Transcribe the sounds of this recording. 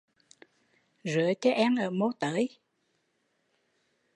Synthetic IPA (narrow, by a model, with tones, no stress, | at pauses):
zɨ˨˦ət͡ɕɔ˧˦ʔɛː˧nʔəː˧˨˩mo˧t̪əː˨˦j